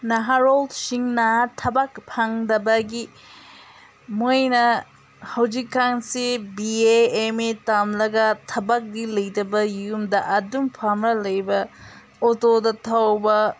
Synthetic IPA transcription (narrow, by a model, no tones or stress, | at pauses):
nɐɦaɾoldsiŋnɐtʰɐbakpʰaŋdɐbɐɡi | mojnɐ | hɐwd͡ʒikːaŋsibieemetamlɐɡɐtʰɐbak̚dilɐjdɐbɐjumdɐʔɐdumpʰamɾɐlɐjbɐ | otodɐtʰawbɐ